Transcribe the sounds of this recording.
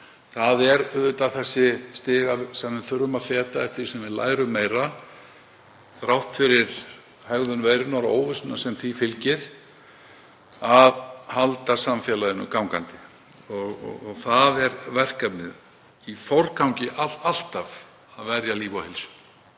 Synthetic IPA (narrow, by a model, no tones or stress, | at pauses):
θaðɛɾʏðʏt̪aθɛsːɪst̪ɪːɣasamːʏnθʏɾʏmafɛːt̪aɛft̪ɪɾ̥sɛmvɪla̰ːjɾʏmːeːjɾa | θɾawht̪fɪɾɪɾ̥ | hɛɣðʏnvejɾʏnaɾo̰ːwvʏsʏnasɛmθifɪlcɪɾ̥ | avhalt̪asamfjɛlaðɪnʏ̰kawŋkant̪ɪ | ɔɣɔ̰ɔɣθaðɛɾvɛr̥kapnɪ̰ð | ifɔrkʰawŋcɪʔaal̥t̪av | aðvɛɾjaliːvawhɪlsʏ̥